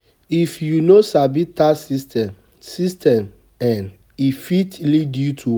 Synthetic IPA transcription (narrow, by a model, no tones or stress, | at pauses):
ifjunosabitasistɛ | sistʰɛm | ɛ̃n | ifitlidjutʰu